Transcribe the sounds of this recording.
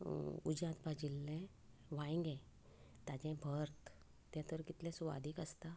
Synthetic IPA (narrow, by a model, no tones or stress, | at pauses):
ud͡ʑãt̪bad͡ʑilːɛ̃ | ʋaĩŋɡɛ̃ | t̪ad͡ʑɛ̃bʱəɾt̪ː | ãt̪əɾkit̪lɛ̃suʋa̰d̪ʱiːkəst̪a